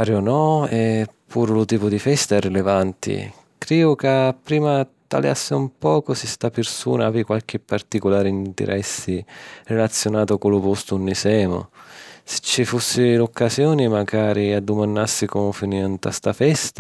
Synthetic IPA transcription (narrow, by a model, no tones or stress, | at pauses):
paːɾɪonɔɛpʰːuːɾlʊt̪iːpʊd̪ifɛst̪aɛrːilevant̪ʰḭ | kɾɛːʊkapːɾiːmat̪a̰lja̰sːɪumpɔːkʊsɪst̪apɪrsṵːnaaːvɪkwalk̟ɪpːart̪ikolaːɾiint̪ḛɾʔɛsːirelat̪sːjonaːt̪ʊkʊlʊpost̪unːisɛːmʊ̰sɪ̥t͡ʃːifusːɪlokːazjɔːnɪmaɡaːɾiad̪ːʊmanːasːikɔmfiniant̪a̰st̪afɛst̪a